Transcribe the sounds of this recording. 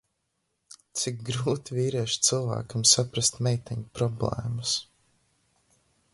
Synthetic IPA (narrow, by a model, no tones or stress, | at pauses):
t̪sik̚ɡɾuːt̪iviːɾiɛʃt̪sɨlˠvæ̰ːkamsapɾast̪mɛjt̪ɛɲupɾɔblˠɛ̰ːmus